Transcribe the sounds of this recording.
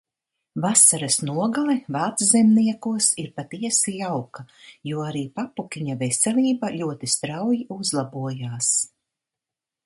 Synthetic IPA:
vasaɾasnuɔɡalɛvaːt̪szɛmniɛkuɔsiɾpat̪iɛsijawkajuɔaɾiːpapukʲiɲavɛsɛlʲˠiːbaʎʲuɔt̪ist̪ɾawjiuzlˠabuɔjaːs

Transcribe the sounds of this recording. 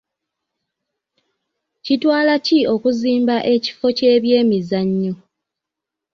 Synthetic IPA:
citwaːlacio̞kuziːmbaʔe̞ci̥fo̞ce̞ːβje̞ːmizaɲːo

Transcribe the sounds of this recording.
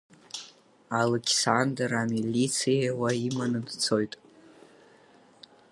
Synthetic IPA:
alekʲʰsandramilʲit͡sʰijawaimanɨdt͡sʰo̞jtʼ

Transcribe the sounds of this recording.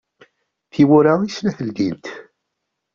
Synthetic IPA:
θiwʊɾaislæfəld̪int̪

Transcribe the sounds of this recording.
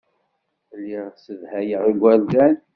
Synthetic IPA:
lːiʁsəðhæjəʁiɡʷældæn

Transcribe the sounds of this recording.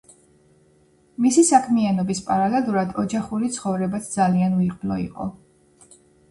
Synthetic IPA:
misisakʰmianɔbispʼaɾalɛluɾad̪ɔd͡ʒaχuɾit̪sʰχɔvɾɛbat̪sʰd̪zalianuiqʼblɔḭqʼɔ̰

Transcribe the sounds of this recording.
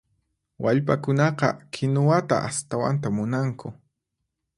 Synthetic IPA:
wʔaʎpakʊnɑqɑ̰kʰɪnʊwat̪a̰ʔast̪awa̰nt̪̬amʊnaŋkʰʊ

